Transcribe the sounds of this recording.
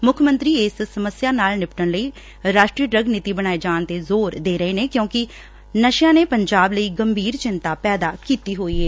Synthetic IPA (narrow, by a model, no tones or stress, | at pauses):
mʊkʰmə̃nt̪ɾiːɪssəməsjaːnaːlnɪpʈəɳləiː | ɾaːʃʈɾiːəɖɾəɡniːt̪iːbəɽ̃aːeːd͡ʒaːnt̪eːzoːɾd̪eːɾəeːneːkjõːkɪ | nəʃjãːneːpəɲd͡ʒaːbləiːɡəmbʱiːɾt͡ʃɪnt̪aːpɛːd̪aːkiːt̪iːɦoːiːɦɛː